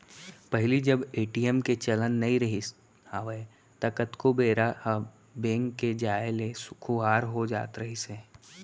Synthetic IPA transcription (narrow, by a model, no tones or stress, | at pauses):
pəɦlid͡ʒɐbeːʈiɛmket͡ʃɐlənːɐɦĩɾɐɦi | aːʋe | t̪ɐkət̪kobeːɾa | bẽːŋːed͡ʒaːelesʊ̥kʰuɦaːɾɦod͡ʒa̰ːt̪ɾəɦiseː